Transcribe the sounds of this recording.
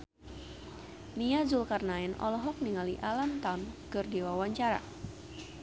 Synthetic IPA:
niazulkarnaɛnɔ̰lɔɦɔk̚niŋaliʔalant̪amkɨrdiwawaɲt͡ʃaɾa̰

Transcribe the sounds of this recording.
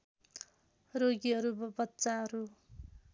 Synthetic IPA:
roɡiɦʌɾubʌbʌtːsaɦʌɾu

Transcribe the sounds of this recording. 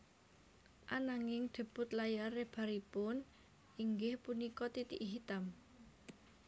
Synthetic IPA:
ʔanaŋɪŋɖ̪̥ə̤b̥ʊ̤t̪lajarɪhb̥a̤ɾipʊn | iŋɡɪhpunikɔt̪it̪iʔiɦit̪am

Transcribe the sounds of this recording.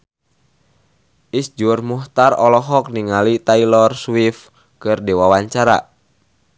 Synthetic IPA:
ʔisd͡ʒʊrmuht̪arɔlɔɦɔk̚niŋalit̪ailɔrswif | kɨrdewawaɲt͡ʃaɾa̰

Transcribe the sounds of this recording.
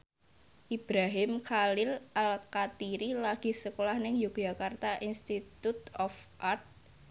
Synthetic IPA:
ʔib̥ɾaɦɪmkʰalɪlʔalkat̪iɾilaɡ̥i̤səkolahnɪŋjuɡ̥ʒ̥a̤kart̪aʔinst̪it̪ut̪ɔfʔart̪̚

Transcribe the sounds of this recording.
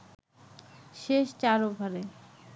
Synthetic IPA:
ʃeʃt͡ɕaɾobʱaɾe

